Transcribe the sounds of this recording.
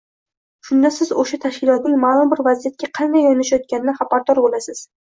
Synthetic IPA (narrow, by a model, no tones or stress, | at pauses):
ʃʊnd̪asɪzoʃat̪ʰaʃkʲɪlˠɒt̪̚nɪŋmalˠʊmbɪɾvazijat̪̚kʲaqʰɑnd̪ajɒnɪʃajɒt̪̚kʲanɪnɪχapaɾt̪oɾbolasɪz̥